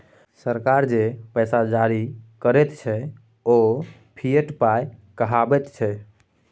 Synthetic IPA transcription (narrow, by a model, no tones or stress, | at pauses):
səɾkaɾd͡ʒepɛsad͡ʒaɾikəɾɛt̪t͡ʃʰɛ | o | pʰieʈpajkəɦabɛt̪t͡ʃʰɛ